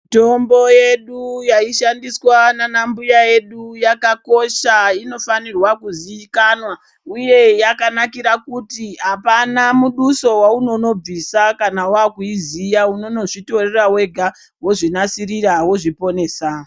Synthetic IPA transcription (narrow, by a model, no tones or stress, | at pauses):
to̞mboje̞ɗujaiʃandiswananambujaje̞ɗujakako̞ʃaino̞fanirwakuziikanwa | uje̞jakanakiɾakutiɦapanamuɗuso̞wauno̞no̞b͡visakanawakuizijauno̞no̞ʐito̞re̞rawe̞ɡʱa | woʐinasirirawo̞ʐipo̞ne̞ːsa